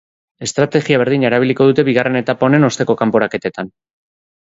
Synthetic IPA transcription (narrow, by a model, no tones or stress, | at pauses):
e̞st̪ɾat̪e̞ɣiaβ̞e̞ɾðiɲeɾaβ̞iliko̞ð̞ut̪e̞βiɣ̞are̞ne̞t̪apaone̞no̞st̪e̞ko̞kampo̞ɾake̞t̪et̪an